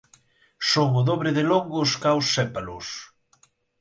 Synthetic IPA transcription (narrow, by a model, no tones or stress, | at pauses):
soŋoðoβɾɪðeloŋɡoskawsːɛpalʊs